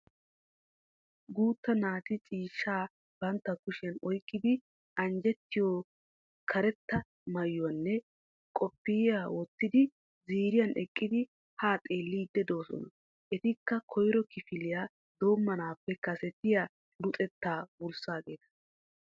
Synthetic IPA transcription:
ɡuːt̪ːɐnaːt̪ɪt͡sʼiːʃːaː | b̥ɐnt̪ːɐkʊʃɪjɐnɔjkʼːɪd̪ɪ | ʔɐnd͡ʒɛt̪ːɪjoː | kʰɐɾɛt̪ːɐ | mɐjːʊɐnːɛ | kʼɔpːɪjjaːwɔt̪ːɪd̪ɪ | ziːɾɪjɐnʔɛkʼːɪd̪ɪ | haːt̪ʼeːlːiːd̪ɛd̪o̞ːsɔ̰nɐ | ʔɛt̪ɪkːɐkʰɔjɾɔkɪfɪlɪjaː | d̪o̞ːmːɐnaːpːɛkɐsɛt̪ːɪjaː | lʊt̪ʼɛt̪ːaːbʊlsaːɡe̞ːt̪ɐ̥

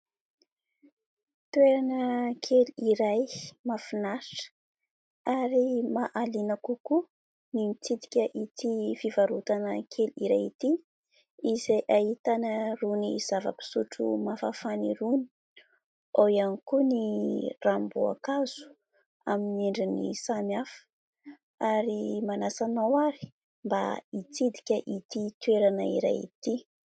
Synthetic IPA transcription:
t̪ueɾanəkʰeliɾajmafinaɾiʈ͡ʂə̥ | aɾimaʔalinakuku | nimit͡sid̪i̥kʲəʔit̪ifivaɾut̪anəkʰeliɾajit̪i | izejʔait̪anəruniz̥avə̰pi̥suʈ͡ʂṵmafafaniɾuni̥ | aianikunirambua̰kaz̥u̥ | amineɳɖ͡ʐinḭsamjafə̥ | aɾimanasanawaɾi̥ | mba̰it͡sid̪i̥kʲəʔit̪it̪ueɾanəiɾa̰jḭt̪i

